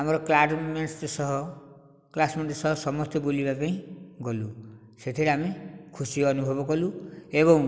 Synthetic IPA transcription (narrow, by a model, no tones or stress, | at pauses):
amɔɾɔklaɖmmest̪sɔɦɔ | klasmeɳt̪isɔɦɔsɔmɔst̪ɔbolibapaĩɡɔlu | set̪ʰiɾeamikʰusiɔɔnubʱɔbɔkɔlueβɔ̃ŋ